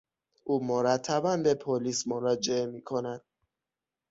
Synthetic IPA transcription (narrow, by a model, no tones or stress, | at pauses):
ʔuːmoɾæt̪ʰːæbænbepʰoliːsmoɾɒd͡ʒeemiːkʰonæd̪̥̚